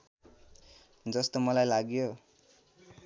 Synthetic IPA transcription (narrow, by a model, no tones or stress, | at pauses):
d͡zʌst̪omʌlajlaɡjo